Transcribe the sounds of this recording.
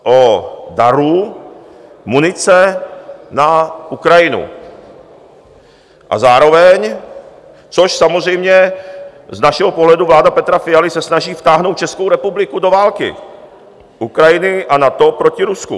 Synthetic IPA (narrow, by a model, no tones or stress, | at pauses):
ʔodaɾu | munɪt͡sɛ | naʔukɾajɪnṵ | ʔa̰zaːɾo̞vɛɲ | t͡soʃsamozrɛjmɲɛ | znaʃɛɦopoɦlɛduvlaːdapɛt̪ɾafɪjalɪsɛsnaʒiːft̪aːɦnowt̪̚t͡ʃɛsko̞wɾɛpublɪkudovaːlkɪ̰ | ʔukɾajɪnɪʔanat̪opɾo̞cɪɾusku